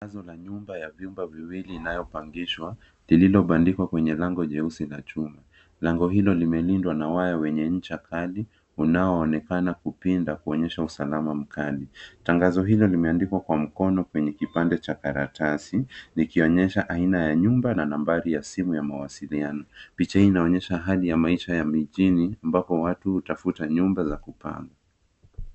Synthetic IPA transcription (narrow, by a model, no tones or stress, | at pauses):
aŋazɔlaɲumbajavjumbaviwiliːnajɔpaŋɡiʃwa | lililɔɓandikwakwɛɲɛlaŋɡɔʄɛusilat͡ʃuma | laŋɡɔɦilɔlimɛlindwanawajawɛɲɛɲ̩t͡ʃakʰali | unaɔːnɛkanakupindakuɔɲɛʃausalamam̩kalitaŋɡazɔɦilɔlimɛandikwakwam̩kɔnɔkwɛɲɛkipandɛt͡ʃakaɾatasinikiɔɲɛʃaʔainajaɲumbananambaɾijasimujamawasilianɔpit͡ʃahiːnaɔɲɛʃaɦalijamaiʃajamiʄiniambapɔwatuhutafutaɲumbazakupa̰ŋɡa